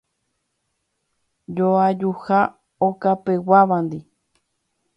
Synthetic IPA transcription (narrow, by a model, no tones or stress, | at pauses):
d͡ʒoad͡ʒuha | okapewaβand̪i